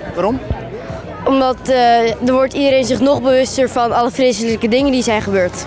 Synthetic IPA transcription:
ʋaːɾɔm | ɔmdɑtdəɹʋɔɹtidəɾejnzɪχnɔχbəʋɵstəɹfɑnɑləfrejsələkədɪŋəndizɛjχəbøːɹt

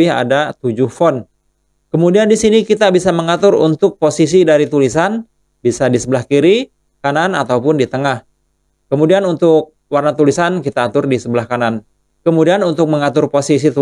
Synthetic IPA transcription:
ɪɦa̰dat̪ud͡ʒʊhfɔn | kəmudiandisinikit̪abisaməŋat̪ʊɾṵnt̪ʊk̚posis̬idaɾit̪ulisan | bisadisəbəlahkiɾi | kananat̪awpʊndit̪əŋah | kəmudianunt̪ʊk̚ | warnat̪ulisankit̪aːt̪ʊrdisəbəlahkanan | kəmudianunt̪ʊk̚məŋat̪ʊrposis̬it̪u

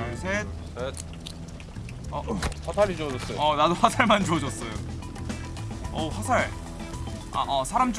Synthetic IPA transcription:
sʰet̚set̚ | ʌhatʰaɾid͡ʑoʌd͡ʑʌs͈ʌjoʌnadoɸasʰaɭmand͡ʑoʌd͡ʑʌs͈ʌjo | ʌ̰ɸasʰaɭ | a̰ʔʌsʰaɾamt͡ɕ

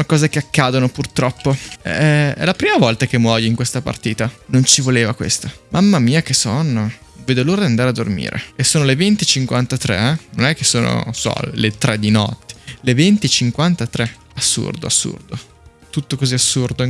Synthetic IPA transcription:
nakɔːzek̟eakːaːd̪onopurt̪ɾɔpːoɛ̰ɛɛ̰lapɾiːmavɔlt̪akemːwɔjoiŋkwest̪apa̰rt̪iːt̪anont͡ʃivoleːvakwḛst̪amʔamːamiːak̟esono | veːd̪oloːɾad̪iand̪aɾead̪ːormḭːɾʔḛesːoːnolevent̪it͡ʃiŋkwant̪at̪ɾɛ̰ɛno̰nɛk̟ːesːoːno̰sɔ̰let̪ɾʔɛd̪ːinɔ̰t̪ːe̥levent̪it͡ʃiŋkwant̪at̪ɾɛ | asːṵrd̪o̰asːṵrd̪o̰ | t̪ut̪ːokoziasːurd̪o

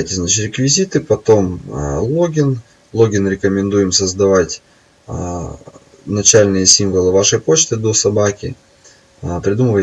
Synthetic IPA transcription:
jtʲɪznat͡ɕɪt̪ɾʲɪkvʲɪzʲit̪ɨpɐt̪o̞mlˠoɡʲɪn | lˠo̞ɡʲɪnɾʲɪkəmʲɪnd̪ujɪmsəzd̪ɐvatʲ | nɐt͡ɕalʲnɨjəsʲimvəlˠɨvaʂəjpo̞t͡ɕt̪ɨd̪o̞sɐbakʲɪ | pɾʲɪd̪uməvə

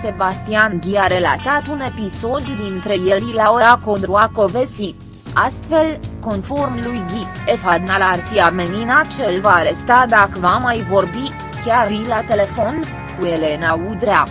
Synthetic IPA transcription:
se̞bast̪ianɡʲiaɾe̞la̰t̪at̪une̞piso̞d̪ːint̪ɾe̞jelilaoɾako̞d̪ɾuako̞ve̞si | ast̪fe̞lko̞nfo̞rmlujɡʲiefad̪nalarfiameninat͡ʃelvaːɾe̞st̪ad̪akəvamajvo̞rbi | kʲarilat̪e̞le̞fo̞n | kuele̞naud̪ɾea

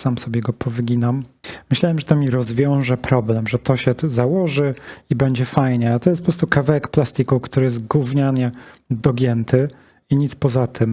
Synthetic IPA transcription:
samsɔbʲɛɡɔpʰɔvɘɡʲinammːɘɕlawɛmʐɛt̪ɔmʲiɾɔzvʲjɔ̃w̃ʐɛpɾɔblɛmʐɛt̪ɔɕɛzawɔʐɘibɛɲd͡ʑɛfajɲɛat̪ɔjɛst̪pɔpɾɔst̪ukavɛwɛkplast̪ikukt̪uɾɘjɛzt̪ɡwuvɲaɲɛd̪ɔɡʲjɛnt̪ʰɘ | iɲit̪spɔzat̪ʰɘm

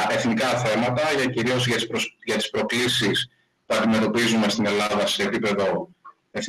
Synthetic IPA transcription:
e̞θnikɐθe̞mɐt̪ɐʝɐciɾio̞zʝɐʝɐt̪i̥spɾo̞klisis | puɐnd̪ime̞t̪o̞pizume̞st̪ine̞lɐðɐse̞ːpipe̞ðo̞ | e̞θ

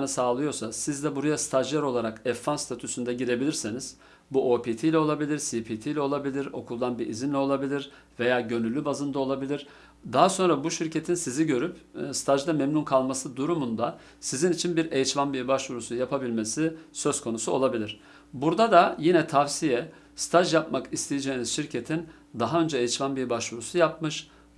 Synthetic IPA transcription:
nɯsaːlˠɯjo̞ɾsasizd̪ɛbuɾajast̪ʰaʒlʲˠæɾo̞lˠaɾakɛfːanst̪ʰat̪ʰysynd̪ɛɟiɾe̞bilʲiɾsiniz̥ | buʔoːpʰit̪ʰijlʲɛo̞lˠabilʲiɾsipʰit̪ʰijlʲɛo̞lˠabilʲiɾo̞̰kʰulˠd̪anbiʔizinlʲɛo̞lˠabilʲiɾ | ve̞jaːɟø̞nylʲːybazɯnd̪aolˠabilʲiɾ̥ | d̪aɦaso̞nɾabuʃiɾcʰe̞t̪ʰinsiziɟø̞ɾypst̪ʰaʒd̪amɛmnunkʰalˠmasɯd̪uɾumund̪a | sizinit͡ʃʰinbiɾejit͡ʃmanbiɾbaʃvuɾusujapʰabilʲme̞sisø̞zkʰo̞nusuo̞lˠabilʲiɾ̥ | buɾd̪ad̪ajinɛt̪ʰavsijɛ | sɨ̥t̪ʰaʒjapmakist̪ʰejed͡ʒe̞iniz̥ʃiɾcʰe̞t̪ʰin | d̪aɦaø̞nd͡ʒɛejit͡ʃmanbiɾbaʃvuɾusujapmɯʃ

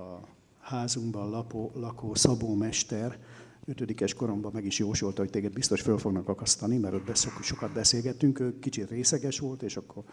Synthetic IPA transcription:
ɒ | haːzuŋɡbɒnlɒpoːlɒkoːsɒboːmɛʃt̪ɛr | øt̪ød̪ikɛʃko̞ɾo̞mbɒmɛɡiʃjoːʃolt̪ɒho̞c̚ʲt̪eːɡɛd̪̚bist̪o̞ʃfølfo̞ɡnɒkɒkɒst̪ɒnimɛɾo̞d̪bɛsokʃo̞kɒd̪̚bɛseːlɡɛt̪ːyŋkøːkit͡ʃit̪reːsɛɡɛʃʋo̞lt̪eːʃɒkːo̞r

